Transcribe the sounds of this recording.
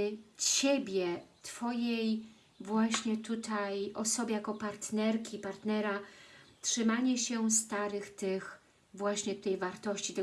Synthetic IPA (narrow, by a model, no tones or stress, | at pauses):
t͡ɕebʲjɛt̪fɔjej | vwaɕɲɛt̪ut̪ʰajʔɔsɔbʲjɛjakɔpaɾt̪nɛɾkʲipaɾt̪nɛɾatʂɘmaɲɛɕɛst̪aɾɘxt̪ɘx | vwaɕɲɛt̪ut̪ɛjvaɾt̪ɔɕt͡ɕit̪ɛ